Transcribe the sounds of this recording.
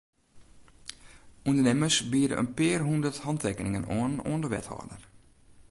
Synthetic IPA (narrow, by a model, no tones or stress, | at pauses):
undərnɛməsbiədə̰ʔə̰npɪərɦundərthɔntʰɛkənɪŋənoəno̰əndəʋɛ̰thɔ̰ːdə̰r